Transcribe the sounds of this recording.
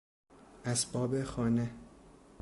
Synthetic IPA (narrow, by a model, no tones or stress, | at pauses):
ʔæsbɒːbexɒːne